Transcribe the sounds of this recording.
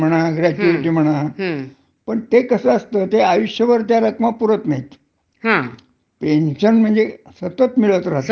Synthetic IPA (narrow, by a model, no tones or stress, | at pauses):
m̤əɽ̃aɡɾæʈuʋiʈiːm̤əɽ̃a | pəɳt̪ekəsəəst̪əːt̪eajuɕjəʋəɾt̪jaɾəkmapuɾət̪nait̪ | ɦã | penɕənm̤əɳd͡zesət̪ət̪miɭət̪ɾaɦt̪